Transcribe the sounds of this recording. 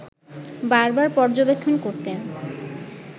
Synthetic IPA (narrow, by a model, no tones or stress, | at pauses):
baɾbaɾpɔɾd͡ʑobekʰːonkoɾt̪e